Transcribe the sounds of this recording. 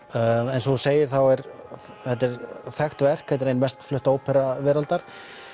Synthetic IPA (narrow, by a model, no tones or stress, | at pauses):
ɛnsɔseːjɪɾ̥θawɛɾ | θɛt̪ːɛɾ̥θɛxt̪vɛr̥khɛt̪̬ɪɾejnvɛst̪flʏht̪oːwpʰɛɾavɛːɾalt̪aɾ̥